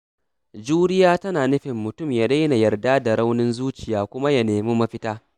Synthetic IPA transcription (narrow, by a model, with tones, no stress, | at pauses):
d͡ʒuː˦ɽɪ˦jaː˦tɐ˦naː˨nʊ˦ɸɪ˨mːʊ˨tʊ˦˨mjaː˦ɗa˦jna˨jɐ˨rdaː˦da˨ɽa˦wnɪ˦nzuː˦t͡ʃɪ˨jaː˦kʷʊ˦ma˦jɐ˨neː˨muː˦mɐ˦ɸɪ˦taː˦